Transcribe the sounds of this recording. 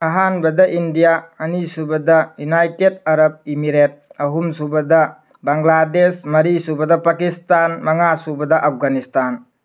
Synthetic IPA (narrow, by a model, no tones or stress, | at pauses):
ɐɦanbɐdɐʔindijaɐnisubɐdɐjunajted̚aɾɐp̚imiɾet̚ɐɦumsubɐdɐ | baŋladesmɐɾisubɐdɐpakistanmɐŋasubɐdɐʔap̚ɡanistan